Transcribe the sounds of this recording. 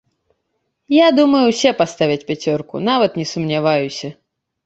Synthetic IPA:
jad̪umɐjuwsʲɛpast̪avʲɛt͡sʲpʲat͡sʲɔrkṵn̪avɐt̪nʲɛsumnʲavajusʲɐ

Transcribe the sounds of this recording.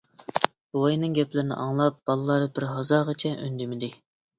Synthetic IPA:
b̥ojnɨŋɡʲɛplɪɾɪnɪ̰ʔɑŋlˠɑp̚b̥ɑlˠɨlˠɑɾɨbɪɾɦɑzɑːʁət͡ʃʰɛʔø̰nd̪ɪmɪd̪ɪ

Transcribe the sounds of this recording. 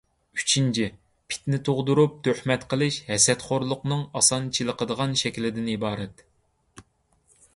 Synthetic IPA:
y̥t͡ʃʰint͡ʃʰi | pʰɪ̥t̪nɪt̪ʰoʁd̪uɾup̚t̪ʰøhmɛt̪qəlˠɨʃhɛsɛt̪χoɾlˠʊqnɨŋɑsɑnt͡ʃʰilˠəqʰəd̪əʁɑnʃɛkʲlɪd̪ɪnibɑːɾɛt̪

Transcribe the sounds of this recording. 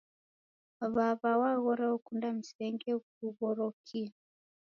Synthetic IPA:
βaβawaɣɔɾɛukundam̩sɛŋɡɛk̚uβɔɾɔkʰia

